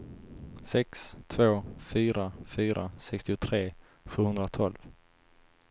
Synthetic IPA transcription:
sɛkst̪ʰvoːfyːɾafyːɾʔa̰sɛkst̪ɪʊt̪ʰɾeː | ɧʉːhɵnd̪ɾat̪ʰɔlv

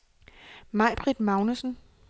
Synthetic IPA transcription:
mɑ̈ɪb̥ʰʁid̥mɑ̈ʊnəsn̩

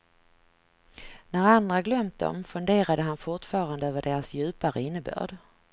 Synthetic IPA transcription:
næɾand̪ɾaɡlœmt̪̚d̪ɔ̰mfɵnd̪eːɾad̪əɦanfʊʈfɑːɾand̪əøːvəɖeːɾasjʉ̟ːpaɾəɪnːəbø̰ːɖ

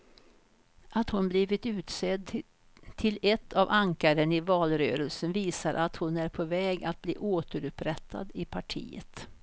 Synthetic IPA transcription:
ʔat̪hʊnbliːvɪt̪ʉ̟ːt̪sɛd̪ | t̪ʰɪlɛt̪ʰːavaŋkaɾənɪvɑːlɾøːɾəlsənviːsaɾʔat̪hʊnæɾpʰɔvɛːɡat̪̚blḭːʔoːt̪əɾɵpɾɛt̪ʰːa̰d̪ɪpʰaʈʰḭːə̰t̪

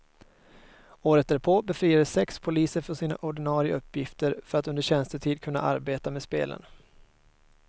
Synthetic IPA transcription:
oːɾət̪̚æpʰoːbɛfɾiːad̪əsːɛkspʰʊliːsəɾfœʂiːna̰ʔɔɖɪnɑːɾɪə̰ɵpʰːjɪft̪əɾfœɾat̪ɵnd̪əɕɛnst̪əʈ̪ʰiːd̪̚kʰɵnːa̰ʔa̰ɾbeːt̪ameːspḛːlʔə̰n

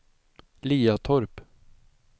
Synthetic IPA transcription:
liːat̪ʰɔɾp

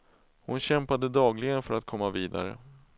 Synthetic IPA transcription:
hʊnɕɛmpad̪əd̪ɑːɡlɪɡənfœɾat̪̚kʰɔmːaviːd̪a̰ɾə̰

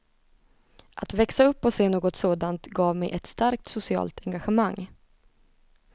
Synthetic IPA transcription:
ʔat̪vɛksaɵpːɔseːnoːɡɔt̪soːd̪ant̪ɡɑːvmɛjʔɛt̪st̪aɾk̚t̪sʊsɪɑ̰ːlt̪ʰɛŋɡaɧəmaŋː

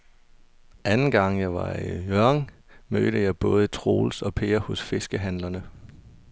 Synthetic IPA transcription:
ʔænn̩ɡ̥ɑ̈ŋ̰jɑ̈ɪʋɑ̈ijœɐŋ | mø̰ːɾ̥əjɑ̈ɪb̥ɔ̽ːð̞ˠət͡sʰʁo̝̰ːlsɒ̽pʰe̝ːɐhɔ̽sfe̝sɡ̥əɦænlɐnə

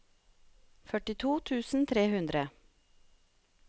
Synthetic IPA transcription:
fœʈɪt̪ʰuːt̪ʰʉːsn̩t̪ʰɾeːhʉnd̪ɾə

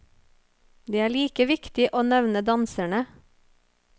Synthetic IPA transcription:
d̪eːæːɭiːkəʋɪkt̪ɪʔoːnɛʋnəd̪ɑnsæɳə

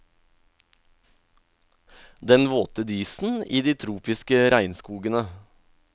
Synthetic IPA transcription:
d̪ɛnʋoːt̪əd̪iːsn̩iːd̪iːt̪ʰɾuːpɪskəɾæɪnskuːɡənə

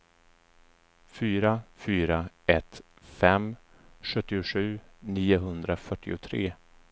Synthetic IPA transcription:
fyːɾafyːɾa | ɛt̪ | fɛm | ɧɵt̪ːɪʊɧʉ̟ːniːʊɦɵnd̪ɾafœʈːɪʊt̪ʰɾeː

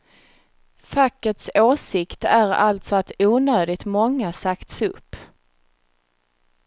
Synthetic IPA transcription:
fakːət̪soːsɪkt̪æɾa̰lt̪sɔat̪uːnøːd̪ɪt̪mɔŋːasakt̪sɵpː

